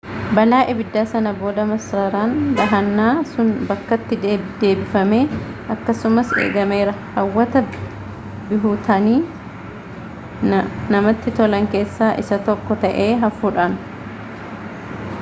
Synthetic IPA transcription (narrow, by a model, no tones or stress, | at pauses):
bɐlaːʔɛbɪd̪ːaːsɐnɐbo̞ːd̪ɐmɐsɾɐɾaːnbɐɦɐnːaːsʊnbɐkːɐt̪ːɪd̪e̞ːbɪfɐme̞ːʔɐkːɐsʊmɐsḛːɡɐme̞ːɾɐhɐwːɐt̪ɐ | bɪɦuːt̪ʰɐniː | nɐmɐt̪ːɪt̪ɔlɐŋke̞ːsːaːʔɪsɐt̪ɔkːɔt̪ɐʔe̞ːɦɐfuːᶑaːn